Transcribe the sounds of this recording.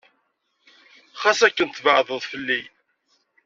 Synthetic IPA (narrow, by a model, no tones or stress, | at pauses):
χɑsækːənt̪vəʕðˤəðˤfəlːi